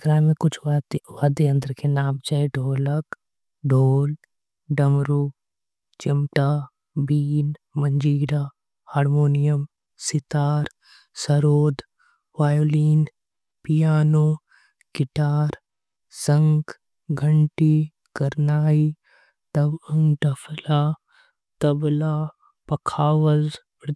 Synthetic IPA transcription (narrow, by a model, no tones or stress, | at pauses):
kɾaːmẽkʊt͡ʃʰʋaːd̪eə̃nd̪əɾkenaːmt͡ʃaːeɖʱoːlək | ɖʱoːl | ɖɐmɾuː | t͡ʃɪmʈaː | biːn | mə̃ɲd͡ʒiːɽaː | haːɾmoːnijəm | sɪt̪aːɾ | səɾoːd̪ | ʋaːjoːliːn | pijaːnoː | ɡɪʈaːɾ | sɐŋɡ | ɡʱəɳʈi | kɐɾnaːi | t̪ɐbɐŋɡɖɐpʰlaː | t̪ɐblaː | pɐkʰaːʋɐz